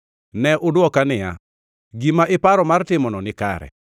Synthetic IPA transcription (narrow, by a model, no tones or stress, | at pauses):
nɛʔʊdwɔkanɪja̰ | ɡimaʔɪpaɾɔmartɪmɔnɔnɪka̰ɾɛ̰